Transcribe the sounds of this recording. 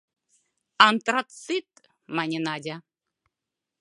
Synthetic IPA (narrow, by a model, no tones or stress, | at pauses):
ant̪rat̪sɨt̪ | manʲenadʲa